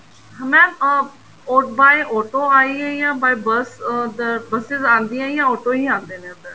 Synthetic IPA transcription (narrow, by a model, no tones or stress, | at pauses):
ɦmɛ̃ː | oːʈbaːiʔɔːʈoːaːiːɛ̃jãːbaːibəsd̪əbəsɪzãːnd̪iːãːjãːɔːʈoːɦiːãːnd̪eːnẽːət̪ə